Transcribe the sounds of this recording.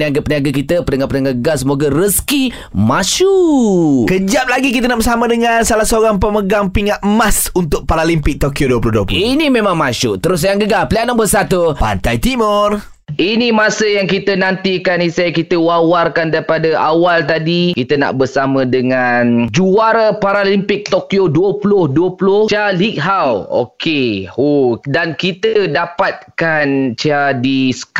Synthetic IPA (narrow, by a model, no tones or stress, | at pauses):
niaɡapəniaɡakit̪əpənəŋapənaŋɡaɡasəmoɡaɾəski | masu | kəd͡ʒap̚laɡik̬it̪ənaʔbəsamədəŋansalahsəoɾaŋpəməɡaŋpiŋat̪̚masunt̪ʊk̚paɾalimpɪk̚t̪okjoduəp̬luhduəpuinĩmẽmãŋmaʃuʔt̪əɾʊs̬ajaŋɡəɡapəliaʔnambəsat̪upa̰nt̪ajt̪imʊr | inĩmãsəjaŋkit̪ənãnt̪ikanisakit̪əwawarkandaɾipadaʔawalt̪̬adikit̪əna̰ʔbərsamə̃dəŋãnd͡ʒuaɾapaɾalimpɪk̚t̪okioduəpulʊhduəpulʊht͡ʃalik̚ɦawo̰kehodankit̪ədapat̪̚kant͡ʃadisə̥k